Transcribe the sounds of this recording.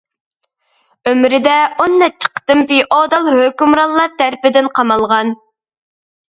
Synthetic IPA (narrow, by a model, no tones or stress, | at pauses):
ømɾɪd̪ɛonːɛt͡ʃʰːə̥qʰə̥t̪ɨmpiʔɔd̪ɑlˠhøkʲymɾɑlˠːɑt̪æɾpɪd̪ɪnqʰɑmɑlˠʁɑn